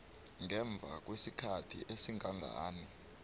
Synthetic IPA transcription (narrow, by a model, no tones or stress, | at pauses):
ŋɛɱb̪vʱa̰k̬wesikʰatʰḭʔesiŋaŋʱa̰ːni